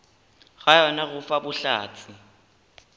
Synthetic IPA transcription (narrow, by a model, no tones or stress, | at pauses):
ɣajɔnaɣʊfabʊɬa̰ːt͡sʰɪ